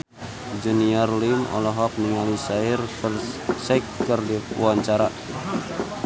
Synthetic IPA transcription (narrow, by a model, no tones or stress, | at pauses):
d͡ʒəniarlimɔ̰lɔɦɔk̚niŋalisairksakkərdiwaɲt͡ʃaɾa